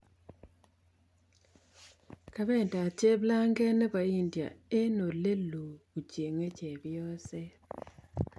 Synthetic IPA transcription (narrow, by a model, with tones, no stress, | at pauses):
ka˨bɛ˦˨nda˨t͡ʃe˦bla˦ŋɡɛ˦nɛ˦ba˨i˦ndja̰˨e˦no˨le˦lo˨u˨t͡ʃje˨ŋe˦t͡ʃɛ˨bɪ˦ɔ˦sɛ˦